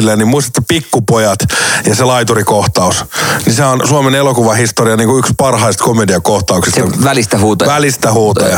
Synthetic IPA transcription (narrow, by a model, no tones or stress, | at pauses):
lːenimmuist̪ɑt̪ːɑpikːupojɑt̪jɑselɑit̪urikoht̪ɑusniseæonsuɑmenelokuʋɑhist̪oriɑniːŋkuykspɑrhɑist̪komediɑkoht̪ɑuksisʋælist̪æhuːt̪ʋælist̪æhuːt̪ɑjɑ